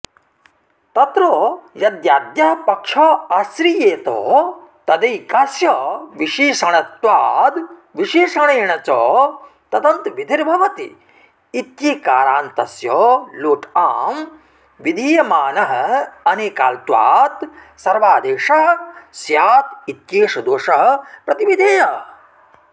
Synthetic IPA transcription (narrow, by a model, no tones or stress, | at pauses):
t̪ɐt̪ɾoːjɐd̪jaːd̪jɐɦɐpɐkʂɐːasɾijeːt̪o̰ːt̪ɐd̪ɐjkaːsjɔːʋiʃiːʂɐɳɐt̪ʋaːd̪ʋiʃiːʂɐɳeːɳɐt͡ʃɔː | t̪ɐd̪ɐnt̪ʋid̪ʱiɾbʱɐʋɐt̪ḭː | t̪jiːkaːɾaːnt̪ɐsjɔːloːʈaːm | ʋid̪ʱiːjɐmaːnɐɦɐɐneːkaːlt̪ʋa̰ːt̪ | sɐɾʋaːd̪eːʂɐɦsjaːt̪it̪jeːʂɐd̪oːʂɐɦɐpɾɐt̪iʋid̪ʱeːjɐ